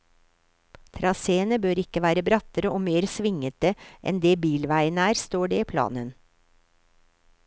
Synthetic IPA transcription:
t̪ʰɾɑseːənəbøːɾɪkəʋæːɾəbɾɑt̪əɾəʔoːmeːɾsʋɪŋət̪əʔɛ̰nd̪eːbiːlʋæɪənəæːɾst̪oːɖeːiːpʰlɑ̰ːnən

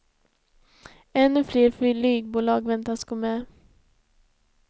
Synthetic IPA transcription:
ɛnːɵfleːɾfʏlyːɡ̚buːlɑːɡvɛnt̪asɡomɛː

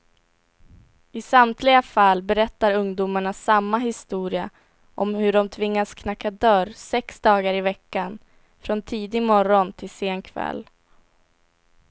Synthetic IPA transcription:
ɪsamt̪ʰlɪɡafalbɛɾɛt̪ːaɾɵŋd̪uːmaɳasamːaɦɪst̪uːɾɪa | ʔɔmhɵɖɔmt̪ʰvɪŋːaskʰnakːad̪œɾsɛksd̪ɑːɡaɾɪvɛkːan | fɾɔnt̪ʰiːd̪ɪmɔɾɔnt̪ʰɪlseːnkʰvɛ̰lː

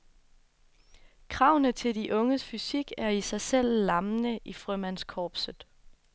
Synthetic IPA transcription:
kʰʁɑ̈ʊ̰nət͡sʰe̝ldiʔɔ̽ŋəsfysiɡ̥æɐisɑ̈ɪsel̰ːɑ̈mnəʔifʁœmæn̰skʰɒːb̥səð̩ˠ

